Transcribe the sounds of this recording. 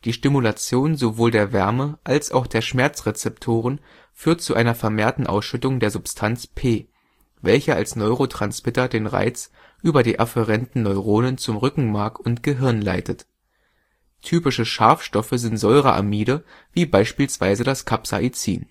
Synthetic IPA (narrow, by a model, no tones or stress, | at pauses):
d̥iːʃtimulat͡sjoːnzovoːldeːɐvɛɐməʔalsʔa̰ʊxd̥eːɐʃmɛɐt͡sʁet͡sɛptʰoːʁ̞ən | fyːɐtt͡suʔaɪnɐfɛɐmeːɐtn̩ʔa̰ʊsʃʏtʊŋdeːɐzʊpstʰant͡spʰeː | vɛlçɐʔa̰lsnɔʏʁotʁ̥ansmɪtɐdeːnʁa̰ɪt͡s | ʔyːbɐɾiːʔafəʁɛntn̩nɔʏʁoːnənt͡sʊmʁʏkŋ̩maɐkʊntɡ̥əɦɪɐnla̰ɪtʰət | tʰyːpɪʃəʃaɐfʃtɔfəzɪntz̥ɔʏʁəʔa̰miːdəviːbaɪʃpiːlsv̥a̰ɪzədaskʰapsa̰ʔit͡sḭːn